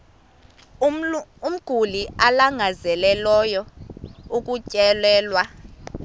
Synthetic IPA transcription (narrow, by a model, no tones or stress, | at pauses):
um̩ɡ̥ʱulialaŋʱazɛlɛlɔjɔ | ukʼucʼɛlɛːlwa